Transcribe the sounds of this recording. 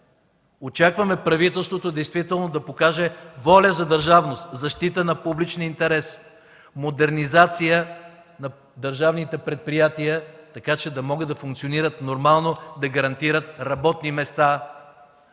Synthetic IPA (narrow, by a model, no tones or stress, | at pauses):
ot͡ʃakvɐmɛpɾɐvit̪ɛlˠst̪vot̪od̪ɛjst̪vit̪ɛlˠnod̪ɐpokaʒɛvɔlʲəzɐd̪əɾʒavnost̪zɐʃt̪it̪ənɐpublit͡ʃnint̪ɛɾɛs | mod̪ɛɾnizat̪sijə | nɐ | d̪əɾʒavnit̪ɛpɾɛt̪̚pɾijat̪ijət̪ɐkat͡ʃɛd̪ɐmɔɡəd̪ɐfuŋkt̪sioniɾət̪noɾmalˠnod̪ɐɡɐɾɐnt̪iɾət̪̚ɾɐbɔt̪nimɛst̪a